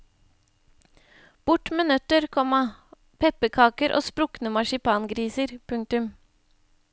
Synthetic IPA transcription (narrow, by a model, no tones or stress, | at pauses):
b̥ʊʈmeːnœt̪əɾkʰɔmɑ | pʰɛpəkʰɑːkəɾʔo̰ːspɾʊknəmɑʃɪpʰɑːnɡɾiːsəɾpʰʉŋ̚t̪ʉm